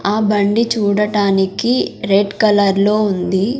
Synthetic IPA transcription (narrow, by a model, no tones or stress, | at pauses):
aːbɐɳɖit͡ʃuːɽɐʈaːnikiɾeɖkɐlɐɾlo̞ːund̪i